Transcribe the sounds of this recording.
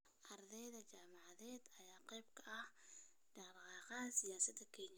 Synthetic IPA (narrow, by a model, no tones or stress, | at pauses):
ʔɐrd̪ɛjðɐt͡ʃaːmɑʕɑðɛːd̪ɐjaːqɛjbkʰɐʔɐh | ɖɑɾqɑːqɑɐsɪjaːsɐd̪ɐkʰɛɲɐ